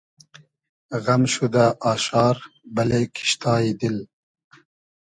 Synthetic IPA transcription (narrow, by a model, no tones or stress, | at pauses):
ɣɐmʃud̪aʔɑːʃɑːɾbɐlekʰi̥ʃt̪ɑːid̪il